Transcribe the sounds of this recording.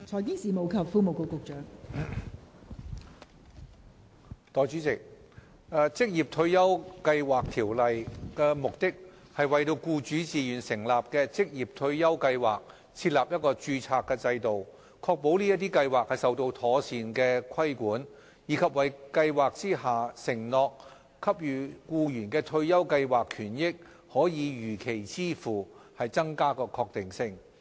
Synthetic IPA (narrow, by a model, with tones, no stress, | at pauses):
t͡ʃʰɔː˨˩kiː˥ŋsiː˨˩mo˨˧wkʰɐ˨˩pfuː˧mo˨wko˨˧wkʊ˨˧k̚t͡ʃœː˨˥ŋ | t̪ɔː˨˩jt͡ʃyː˨˥t͡sɪ˨k̚ː | t͡sɪ˥k̚jiː˨˩p̚t̪ʰɵ˧ɥjɐ˥wkɐ˧jwaː˨˩k̚t̪ʰiː˨˩wlɐ˨jkɛː˧mʊ˨k̚t̪ɪ˥k̚ | hɐ˨jwɐ˨jt̪o˧wkuː˧t͡ʃyː˨˥t͡siː˨jyː˨˩nsɪ˨˩ŋlaː˨p̚kɛː˧t͡sɪ˥k̚jiː˨˩p̚t̪ʰɵ˧ɥjɐ˥wkɐ˧jwaː˨k̚ | t͡sʰiː˧t̚laː˨p̚jɐ˥t̚kɔː˧t͡ʃyː˧t͡sʰaː˧k̚ːɛː˧t͡sɐ˧jt̪o˨w | kʰɔː˧k̚po˨˥wliː˥jɐ˥t̪̬iː˥kɐ˧jwaː˨k̚hɐ˨jsɐ˨wt̪o˧wt̪ʰɔː˨˥siː˨˧nkɛː˧kʰɐ˥jkuː˨˥n | jiː˨˥kʰɐ˨p̚wɐ˨jkɐ˧jwaː˨˩k̚t͡siː˥ɦaː˨˩sɪ˨˩ŋnɔː˨˧k | kʰːɐ˥p̚jyː˨kuː˧jyː˨˩nkɛː˧t̪ʰɵ˧ɥjɐ˥wkɐ˧jwaː˨˩kʰyː˨˩njɪ˥k̚ | hɔː˨˥jiː˨˧jyː˨˩kʰe˨˩jt͡siː˥fuː˨˩hɐ˨jt͡sɐ˥ŋkaː˥kɔː˧kʰɔː˧k̚t̪ɪ˨ŋsɪ˧˥ŋ